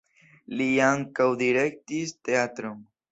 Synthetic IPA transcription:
liaŋkawd̪iɾe̞k̚t̪ist̪eat̪ɾon

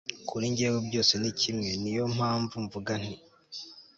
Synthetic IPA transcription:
kʰuɾiɲɟeːɡobɟo̞ːse̞nicimŋe̞nijo̞m̥aːɱvuɱvuɡan̥i

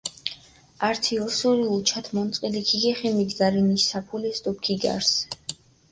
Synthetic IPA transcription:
aɾt̪ʰiɔsuɾiut͡ʃʰat̪ʰmɔnt̪sʼqʼilikʰiɡɛχɛmiɡd̪aɾinisːapʰulɛst̪ʼɔpkʰiɡa̰ɾs

